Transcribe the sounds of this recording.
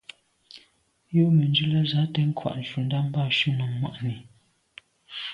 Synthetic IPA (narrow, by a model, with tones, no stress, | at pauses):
jo˦ʔmə˨nd͡ʒʉ˦lə˦za˨˦tɛ˦ŋ̩˦kʰwa̰˨ʔn̩˨ʃu˨n˦da˦m̩˦ba˦˨ʃu˦nu˨mːwa̰˨ʔni˨